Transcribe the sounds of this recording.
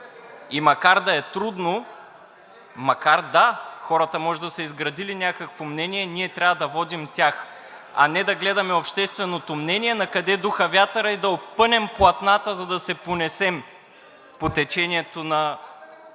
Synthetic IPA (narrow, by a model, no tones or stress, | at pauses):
imɐkaɾd̪ɐɛt̪ɾud̪no | mɐkaɾd̪axɔɾɐt̪ɐmɔʒɛd̪ɐsɛizɡɾɐd̪ilinʲakəkvomnɛniɛniɛt̪ɾʲavɐd̪ɐvɔd̪imt̪ʲax | ɐ̰nɛd̪ɐɡlɛd̪ɐmɛopʃt̪ɛst̪vɛnot̪omnɛniɛnɐkɐd̪ɛd̪uxɐvʲjat̪əɾəɛd̪ɐopːɤnɛmplˠɐt̪nat̪əzɐd̪ɐsɛponɛsɛm | pot̪ɛt͡ʃɛnʲiɛt̪onɐ